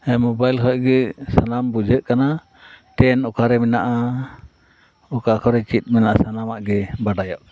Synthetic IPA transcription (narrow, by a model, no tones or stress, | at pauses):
ɛmɔbajlɦɔɡɛsanambud͡ʒʱəʔkana | ʈɛnɔkaɾɛmɛnaʔa | ɔkakʰɔɾɛt͡ʃit̪̚ˀmɛnaʔasanamaʔɡɛbaɖajɔʔ